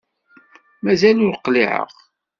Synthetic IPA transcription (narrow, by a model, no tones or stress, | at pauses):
mæzælʊɾqliʕə̰ʁ